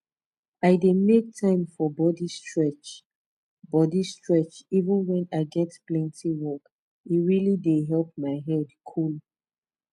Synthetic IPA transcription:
aɪdemek̚tʰãɪ̃mfɔbɔdistɹɛt͡ʃ | bɔdistɹɛt͡ʃivə̃nwɛ̃naɪɡɛtplɛ̃ntʰiwɔk | iɹilideɦɛlp̚maɪɦɛldkʰul

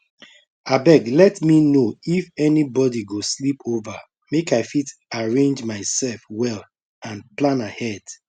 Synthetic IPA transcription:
abɛɡlɛtminoifɛnibɔdiɡoslipʰova | mekaɪfitaɹẽnd͡ʒmaɪsɛlfwɛl | ãnplãnahɛd̥

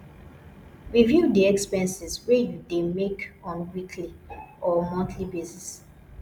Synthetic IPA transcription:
ɹivjudiɛkspɛ̃nsiswɛjudemekɔ̃nwikʰliɔmɔ̃ntʰlibesis

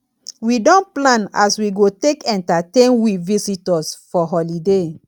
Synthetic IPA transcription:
widɔ̃nplãna̰swiɡotekɛ̃ntatẽnwivisitɔsfɔɦɔlide

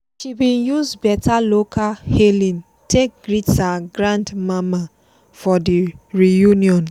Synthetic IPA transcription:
ʃibĩnjuzbɛtalokahelĩn | tek̚ɡɾitsaɡɾãndmama | fɔdiɾijuniɔn

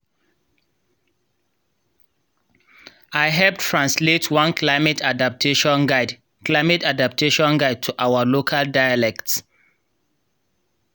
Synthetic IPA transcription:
aɪɦɛlp̚tʰɹãnsletʰwʌ̃nkʰlaɪmetʰadap̚tʰeʃɔ̃nɡaɪ | klaɪmɛtadap̚tʰeʃɔ̃nɡaɪd̚tʰuʔawəlokʰaldaɪalɛkts

